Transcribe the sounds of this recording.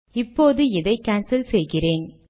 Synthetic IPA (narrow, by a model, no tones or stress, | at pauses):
ɪpːoːðɯɪðɐɪkaːnsɪlsɛjɣɪreːn